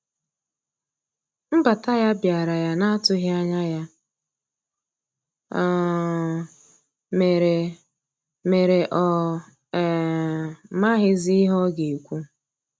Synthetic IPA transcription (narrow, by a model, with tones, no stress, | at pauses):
m̩˦ba˨ta˦ja˦bja˨ɾa˨ja˨na˦a˦tʊ˦ɦa˦ɲa˦ja˦˨ | me˨ɾe˨ | me˨ɾe˨ʔɔ˨ | ma˦ɦɪ˦zi˦ɦɔ˦ɡe˨kʷu˦